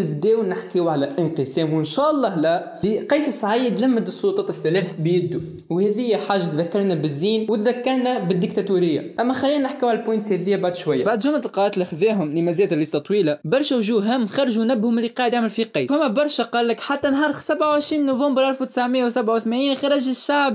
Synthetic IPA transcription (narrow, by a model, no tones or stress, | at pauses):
ɪbd̪ɛːwnɪħkiwʕalæʔɪnqɨsɛːmwɪnʃæːʔɑlˤːɑːhlæ | liqɑːsəsʕaijd̪læmːəd̪sˤːut̪ˤɑːt̪ɪθːælɛːθbjɪd̪ːu | whɛðɪjːæħaːʒːat̪ðækːɑɾˤnæbɪzːiːnwt̪ðækːɑɾˤnæbɪd̪ːɪkt̪æt̪uɾɪjːa̰ʔæmːæxlːiːnænɪħkiːwʕalælpojnt̪shɛðɪjæbaʕd̪ʃwæjːabaʕd̪ʒʊmat̪lqɑːt̪laxðæːɦʊmlimæzæːt̪lːist̪ɑt̪ˤwiːlabɑɾˤʃæwʒuːɦæmːxɑɾˤɑʒunæbːhʊmɪlːiqɑːʕɪd̪aʕmɪlfiqɑːsæmːæbɑɾˤʃæqɑːlːɪkħat̪ːænɦɑːɾˤxsabʕawʕəʃɾiːnːuvɑmbəɾˤʔæɾfwt̪ə̥saʕmɪjːawsæbʕawθmæniːnxɑɾˤɑʒɪʃːaʕb